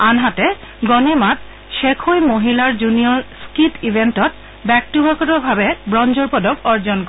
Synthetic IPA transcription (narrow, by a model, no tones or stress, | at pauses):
anɦatɛ | ɡɔnemat̚ | ʃekʰojmoɦilaɹd͡ʑunijɔɹskitibʱentɔt̚ | bɛk̚tubʱakɔtɔbʱabɛbɹɔnd͡ʒɔɹpɔdɔkɔɹd͡ʒɔnk